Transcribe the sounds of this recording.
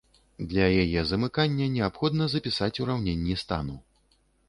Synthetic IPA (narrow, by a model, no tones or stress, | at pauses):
d̪lʲɐjajɛzɐmɨkanʲːɐnʲɛapxɔd̪nɐzɐpʲisat͡sʲuɾawnʲɛnʲːist̪a̰nu